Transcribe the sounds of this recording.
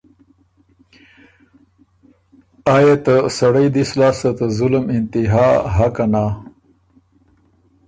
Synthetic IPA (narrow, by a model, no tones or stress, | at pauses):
aːjet̪ɐsɐɽɐjd̪islaːsɐt̪ɐzʊlmɪnt̪iɦaːɦakanaː